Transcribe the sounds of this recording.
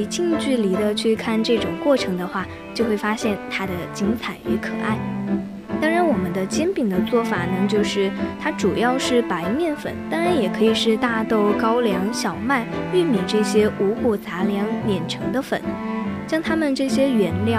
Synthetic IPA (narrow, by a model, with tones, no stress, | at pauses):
t͡ɕʰi˥˧ŋt͡ɕy˥˩li˧˥d̪ə˧t͡ɕʰy˥˧kʰa˥˧nʈ͡ʂɤ˥˩ʈ͡ʂʊ˨˩ŋkwɔ˥˩ʈ͡ʂʰɤ˧˥ŋd̪ə˧xwa˥˩ | t͡ɕjo˥˧ʊxwe˥˩ɪfa˥ɕjɛ˥˩nt̪ʰa˥d̪ə˨t͡ɕi˧˥ŋt͡sʰa˨˩ɪy˧˥kʰɤ̰˨˩ʔa˥˩ɪ | t̪ɑ˥ŋɻa˧˥nwɔ˨˩mə˦nd̪ə˧t͡ɕjɛ˥npi˨˩ŋd̪ə˦t͡swɔ˥˩fa̰˨˩nə˦t͡ɕjo˥˧ʊʂɻ̩˥˩t̪ʰa˥ʈ͡ʂu˨˩jɑ˥˧ʊʂɻ̩˥˩pa˧˥ɪmjɛ˥˩nfə̰˨˩˦nt̪ɑ˥ŋɻa˧˥njɛ˨˩kʰɤ˧˥i˨˩ʂɻ̩˥˧t̪a˥˧t̪o˥˩ʊkɑ˥ʊljɑ˧˥ŋɕjɑ˨˩ʊma˥˩ɪy˥˩mjɛ˨˩ʈ͡ʂɤ˥˩ɕjɛ˥u˧˥ku˨˩t͡sa˧˥ljɑ˧˥ŋljɛ˨˩nʈ͡ʂʰɤ˧˥ŋd̪ə˧fə̰˨˩˦nɕjɑ˥ŋt̪ʰa˥mə˨nʈ͡ʂɤ˥˩ɕjɛ˥ɥɛ˧˥nljɑ˥˩